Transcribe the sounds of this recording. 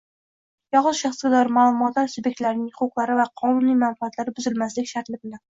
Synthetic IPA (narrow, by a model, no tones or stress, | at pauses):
jɒʁʊzʃaχsɡʲɪd̪ɒɾmaːlˠʊmɒt̪laɾsubjek̚t̪laɾnɪŋχʰʊqlˠaɾɪvaqʰɒnunijmanfɑat̪laɾɪbʊzɪlmaslɪkʲʃaɾt̪lɪbɪlɪ